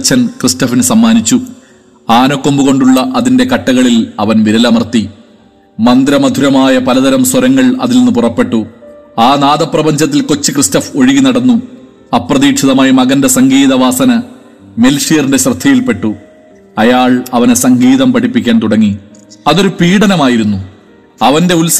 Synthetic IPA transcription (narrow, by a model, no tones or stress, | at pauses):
t͡ɕːɐnkristɐfinɨsɐmːaːnit͡ɕːu | aːnokːo̞mbuɣo̞ɳɖuɭːɐʔɐðinde̞kɐʈːɐɣɐɭilɐʋɐnʋiɾɐlɐmɐrt̪i | mɐnd̪ɾɐmɐd̪ʱuɾɐmaːjɐpɐlɐðɐɾɐmswɐɾɐŋːɐɭɐ̰ðilnenːupurɐpːe̞ʈːuaːnaːðɐprɐbɐɲd͡ʑɐt̪̬ːilko̞t͡ɕːikristɐfo̞ɻiɣinɐɽɐnːu | ɐpːrɐðiːkʂɐðɐmaːjimɐɣɐnde̞sɐŋɡiːðɐʋaːsɐnɐ | me̞lʂijɐrindeɕrɨd̪ʱːɐjilpe̞ʈːu | ɐjaːɭɐʋɐnesɐŋɡiːðɐmpɐʈipːikʲːaːnt̪uɽɐŋːiɐðo̞ɾupiːɽɐnɐmaːjiɾunːu | ɐʋɐnde̞uls